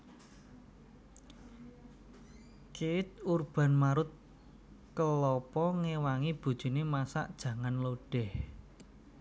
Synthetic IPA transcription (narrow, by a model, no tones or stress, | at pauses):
keɪt̪̚urb̥a̤nmaɾʊt̪̚ | kəlɔpɔŋewaŋib̥ṳd̥ʒ̥ṳnemasa̰ʔd̥ʒ̥ä̤ŋanloɖ̥ɛh